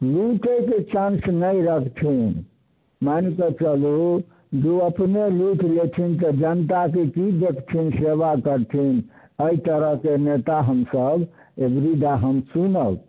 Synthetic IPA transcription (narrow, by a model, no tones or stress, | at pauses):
luʈʰeket͡ʃãnsnəiɾəkʰt̪ʰin | mankət͡ʃəlu | d͡ʒuəpneluʈʰlet̪ʰint̪əd͡ʒənt̪akekid̪ekt̪ʰinseʋakəɾt̪ʰin | əit̪əɾəɦkenet̪aɦəmsəb | ebɾid̪aɦəmsunəl